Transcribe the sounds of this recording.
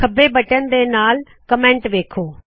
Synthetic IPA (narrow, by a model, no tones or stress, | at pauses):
kʰɐbʱebɐʈənɪ̆d̪enaːl | kɐmẽːɳʈʋeːkʰoː